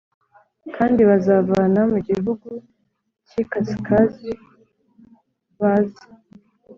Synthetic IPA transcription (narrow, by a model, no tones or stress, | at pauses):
kaːndiβazavaːnamuɟiɦuɡu | cikaskazi | βazḁ